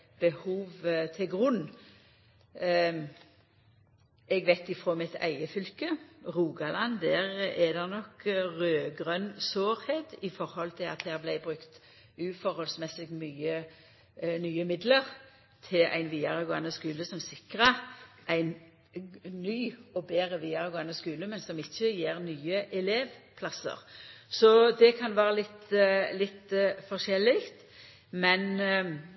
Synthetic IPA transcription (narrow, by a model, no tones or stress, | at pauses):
b̥əhuːʋt̪ʰɪɡʁʊnː | ɛɡʋæɪt̪ɪfʁoːmɪt̪ʰæ̰ɪəfʏlkəʁuːɡɑlɑnd̪æːʁɛd̪ɛʁnɔkʁøːɡʁœnsoːɾheːt̪ɪfɔɾhɔlt̪ʰɪlɑ̰t̪d̪æːʁblæɪbʁʉkt̪ | ʉːfɔɾhɔlsmɛsɪɡmyːə | nyːəmɪd̪ləʁ | t̪ʰɪlʔæ̰ɪnʋiːɑʁəɡoːɑnəskʉːləsɔmsɪkʁəʁʔæɪn | nyːɔbeːʁəʋiːɑʁəɡoːɑnəskʉːləmɛnsɔmɪçːəjeːʁnyːəʔɛleːʋpʰlɑsə̰ʁsɔd̪ɛkʰɑnʋæːʁəlɪt̪lɪt̪fɔʁʃɛlːɪkt̪ | mɛn